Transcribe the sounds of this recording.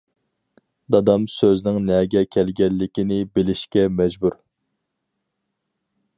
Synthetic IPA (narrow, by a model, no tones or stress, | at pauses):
d̪ɑd̪ɑmsøznɪŋnɛɡʲɛkʲʰɛlɡʲɛlːɪkʲinɪbɪlɪʃkʲɛmɛd͡ʒbuɾ